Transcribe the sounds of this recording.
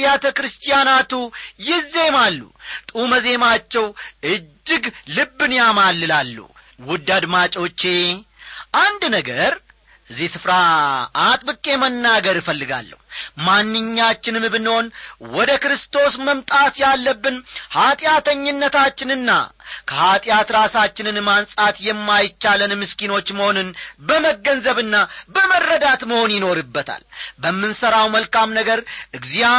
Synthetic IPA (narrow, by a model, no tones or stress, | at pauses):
jat̪ʰəkɾɨst̪ʼijanat̪ujɪze̞malːṵt̪ʼuməze̞mat͡ʃːɛwɨd͡ʒːɪɡlɨbːɨnjamalːɨlalːṵ | wʊd̪ːad̪mat͡ʃʼo̞t͡ʃːe̞ʔand̪nəɡəɾ | ʔɨzːihsɨfɾaː | t̪ʼbɨkʼːe̞mənːaɡəɾɨfəlːɨɡa̰lːə̰humanːɨɲːat͡ʃːɪnmɨbɨnho̞nwɔd̪əkɾɨst̪ʰo̞sməmt̪ʼat̪jalːəbːɨnhat̪ʼɪjat̪ʰəɲːɪnːət̪ʰat͡ʃːɪnɨnːa̰kʰəhat̪ʼɪjat̪ɾasat͡ʃːɪnɨnmansʼat̪jɛmːajɪt͡ʃːalɨnmɨskino̞t͡ʃːməho̞nɨnbəməɡənzəβɨnːabəmərːəd̪at̪məho̞njɪno̞ɾɨbːət̪ʰa̰lbəmːɨnsəɾawməlkamnəɡəɾʔɨɡzija